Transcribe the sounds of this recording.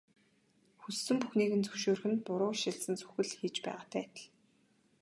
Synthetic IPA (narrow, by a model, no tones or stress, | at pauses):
xusːɵ̆mpuxniːɣɘ̆nt͡sɵwʃoːrxɘ̆npʊɾʊːʃɪɮsə̆nt͡sɵ̥xɘ̆ɮxiːt͡ɕpæ̰ːʁaːt̪ʰæːt̪ə̆ɮ